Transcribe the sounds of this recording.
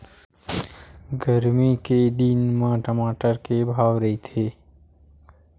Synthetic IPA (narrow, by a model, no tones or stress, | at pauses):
ɡəɾmiked̪inmãːʈəmaːʈəɾkebʱaːwɾɐɦit̪ʰeː